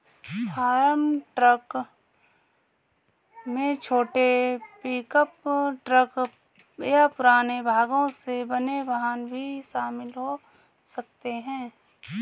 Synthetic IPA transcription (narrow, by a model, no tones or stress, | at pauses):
fʰaːɾəmʈɾək | mẽt͡ʃʰoːʈepiːkəpʈɾək | japʊɾaːnebʱaːɡõsebɐneʋəɦanbʱiʃaːmɪlɦo | sɐk̚t̪eɦɛ̃ː